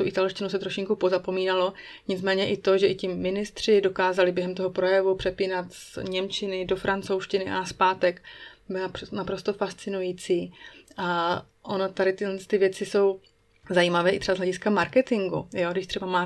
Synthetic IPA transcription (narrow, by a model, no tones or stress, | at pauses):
t̪uʔɪt̪alʃcɪnus̬ɛt̪ɾoʃɪŋkupo̞zapo̞miːnalo̞ | ɲɪt͡smɛːɲɛʔɪt̪o̞ʒɛʔɪcɪmːɪnɪst̪r̝̥ɪdo̞kaːzalɪbjɛɦɛmt̪oɦopɾo̞jɛvupr̝̥ɛpiːnat̪sɲɛmt͡ʃɪnɪdo̞fɾant͡so̞wʃcɪnɪʔa̰naspaːt̪ɛkbɪlpnapɾo̞st̪o̞fast͡sɪnujiːt͡siːʔa | ʔo̞not̪aɾɪt̪ɪɛnst̪ɪvjɛt͡sɪso̞w | zajiːmavɛːʔɪt̪r̥ɛbazɦlɛɟɪskamaɾkɛt̪ɪŋɡṵjo̞ɡdɪʃt̪r̝̥ɛbamaː